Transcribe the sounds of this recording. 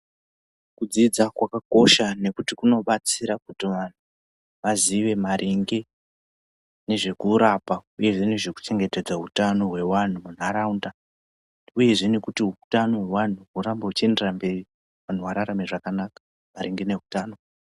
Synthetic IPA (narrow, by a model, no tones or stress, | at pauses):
kud͡zid͡zakwakako̞ʃane̞kutikuno̞ɓat͡siɾakutiʋan̤u | ʋaziʋe̞maɾʔiŋɡe | ne̞ʐe̞kuːɾapauje̞ʐe̞ne̞ʐe̞ku̥t͡ʃe̞ŋɡe̞te̞d͡zautano̞ɦwe̞wan̤umun̤aɾaunda | uje̞ʐe̞ne̞kutiɦutano̞wewan̤uɦuɾambeɦut͡ʃe̞nderambe̞ri | ʋan̤uʋaɾaɾamiʐakanakḁ | maɾiŋɡene̞ɦutaːno̞